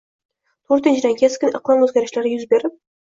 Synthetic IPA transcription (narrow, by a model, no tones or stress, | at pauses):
t̪ʰɵɾt̪ɪ̆nʃʰɪd̪æŋkʲʰeskʲɪnə̰qlˠɑnɵzɡʲæɾɪ̆ʃlʲæɾɪjʏzbeɾɪp̚